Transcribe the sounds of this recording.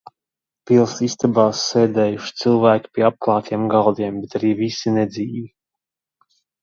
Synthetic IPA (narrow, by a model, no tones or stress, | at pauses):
pilˠsist̪abaːsːɛːd̪ɛːjuʃt̪sɨlˠvæːku̥pʲiɛap̚klˠɑːt̪ʰiɛmɡalˠd̪iɛmbɛt̪aɾiːvisinɛd̪ziːvi